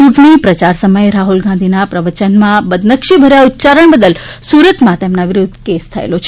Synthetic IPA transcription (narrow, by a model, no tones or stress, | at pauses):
t͡ʃuʈɳipɾət͡ʃaɾsəməjeɾaɦulɡãnd̪ʱinapɾəʋət͡ʃənmãbəd̪nəkʃibʱəɾjaʊt̪ːt͡ʃaɾəɳbəd̪əlsuɾət̪mãt̪emnaʋɪɾʊd̪ʱːkest̪ʰəḛlot͡ʃʰe